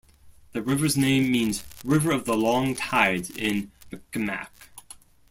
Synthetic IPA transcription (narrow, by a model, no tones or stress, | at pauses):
ðɨɹɪvə˞znẽɪ̃mĩnzɹɪvə˞ʌvðəlɔ̃ŋtʰaɪdɪ̃nmɨkɨmæ̰k